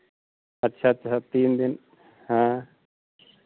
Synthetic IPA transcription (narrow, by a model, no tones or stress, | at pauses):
ɐtːʃʰatːt͡ʃʰat̪ind̪in | hã